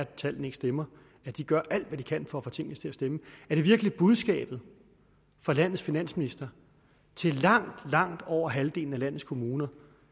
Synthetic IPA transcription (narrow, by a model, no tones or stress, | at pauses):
t͡sʰæl̰n̩e̝ɡ̥sd̥emɐ | æd̥iɡ̥ɶɐ̰ʔæl̰d̥ʋæd̥ikʰænfɒ̽æfɒ̽t͡sʰe̝ŋ̰nəst͡sʰe̝æsd̥eməæɐd̥e̝ʋiɐɡ̥lib̥uð̞ˠsɡ̥ɛ̰ːb̥ð̞̩ˠ | fɑ̈læn̰ð̩ˠsfinæn̰sminisd̥ɐ | t͡sʰe̝lɑ̈ŋ̰d̥lɑ̈ŋ̰d̥ɒʊ̰ɐɦæld̥e̝ːln̩ælæn̰ð̩ˠskʰo̝muːnɐ